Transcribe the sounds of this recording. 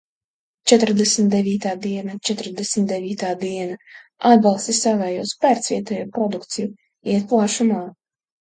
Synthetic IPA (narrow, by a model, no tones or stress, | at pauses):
t͡ʃɛt̪ɾd̪ɛsmt̪̚d̪evʲiːt̪aːd̪iɛnat͡ʃɛt̪ɾd̪ɛsmʲt̪̚d̪ɛviːt̪aːd̪iɛnaad̪̚balˠst̪isavɛːjuɔspæɾt̪svʲiɛt̪ɛːjupɾɔd̪ukt̪siju | iɛt̪̚plˠaːʃumaː